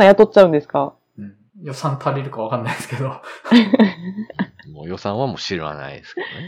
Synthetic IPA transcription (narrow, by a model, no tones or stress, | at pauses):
ãjat̪ot̚t͡ɕːaɯ̃nd̪e̞sɨ̥kã | jo̞sãnt̪ʰaɾʲeɾɯ̟kaβakãnːaid̪esɨ̥ke̞d̪o | moːjo̞sãɰ̃βamoːɕiɾɯβa̰na̰ḭd̪esɨ̥kne